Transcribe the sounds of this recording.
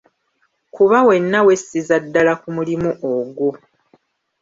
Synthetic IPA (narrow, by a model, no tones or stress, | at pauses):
kuβawe̞nːawe̞sːizadːalakumulimuʔoɡo